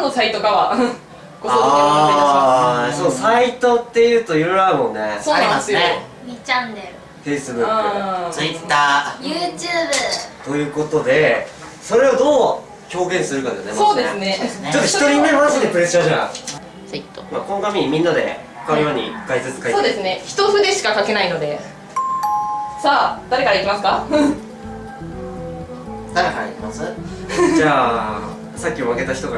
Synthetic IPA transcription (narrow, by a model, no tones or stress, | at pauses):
nosait̪o̞kaβa | kosa | sonosait̪o̞t̪ːe̞jɯ̟ːt̪o̞jɯɾɾaɯmõ̞nːe̞oːaniaesɨjoe | mʲit͡ɕãnːeɾɯ | ɸe̞ːsɨnɯãt͡sɨit̪ːaːjɯːt͡ɕɨːbɯt̪o̞jɯ̟ːko̞t̪o̞d̪e̞ | so̞ɾe̞od̪o̞ː | ço̞ːɡẽɰ̃sɨɾɯkad̪esonesso̞ːd̪e̞sɨne̞t͡ɕot̪ːoçit̪oɾʲimemanaɕit̪epɯ̟ɾe̞sɨ̥ɕaʑa | sit̪ːomaːkonɡamʲiimʲĩnːad̪e̞hokajoɲ̟ḭkaizɨt͡sɨ̥kasoːd̪e̞sɨne̞çi̥t̪o̞ɸɯ̟d̪e̞ɕi̥kakake̞naino̞d̪e̞ | saːd̪̥aɾe̞kaɾaikʲːimasɨ̥ka | ahamasɨd͡ʑaː | sakʲːioβake̞t̪açi̥t̪o̞ɡa